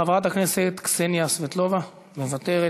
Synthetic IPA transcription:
avʁat̪akne̞set̪ksenjasvet̪lo̞va | mevat̪eʁe

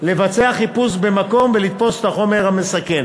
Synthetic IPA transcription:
le̞vat͡seaχipusbe̞mako̞mvelit̪fo̞se̥t̪aχo̞meʁhame̞sake̞n

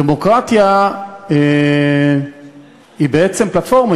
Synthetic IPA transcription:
emo̞kʁat̪jae | ibeet͡se̞mplatfo̞ʁma

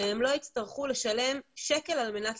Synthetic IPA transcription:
emlo̞it͡st̪aʁχule̞ʃale̞mʃeke̞lalme̞nat

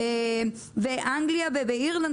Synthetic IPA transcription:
e | veʔaŋɡliaveveiʁlan

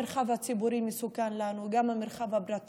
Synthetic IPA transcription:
eɾχavhat͡sibuɾimesukanlanuɡamhameɾχavabɾat̪

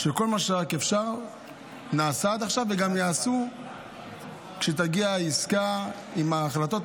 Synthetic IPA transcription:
ʃeko̞lmaʃeʁakefʃaʁ | naːsaːt̪aχʃavːeɡamjaːsu | kʃet̪̬aɡiaiska | imaːχlat̪o̞t

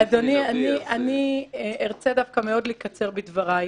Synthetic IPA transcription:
ad̪onianianieʁt͡sedafkame̞o̞dlikat͡se̞ʁbidvaʁa

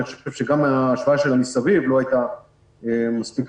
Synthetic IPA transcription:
iχoʃoʃevʃe̞ɡamaʃvaʃelanisavivlo̞ajt̪a | emaspik

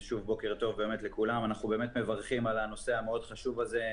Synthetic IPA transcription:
ʃuvbo̞ke̞ʁt̪o̞vbe̞ːmet̪lekulamanaχube̞ːmet̪me̞vaʁχimalano̞seameo̞d̪χaʃuvaze

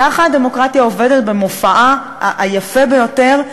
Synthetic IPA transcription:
aχaade̞mo̞kʁat̪jaove̞det̪̚be̞mo̞faʔa | ʔajafebejo̞te̞ʁ

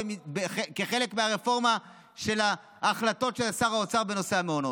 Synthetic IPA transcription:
beekeχe̞lekmeaʁefo̞ʁma | ʃe̞laː | χlato̞tʃelasaʁaot͡saʁbe̞no̞seameono̞

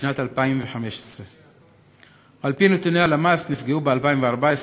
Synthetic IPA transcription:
nat̪alpaimveħameʃe̥sʁe | alpinet̪unealamasnifɡeubealpaːjimveaʁˤbaes

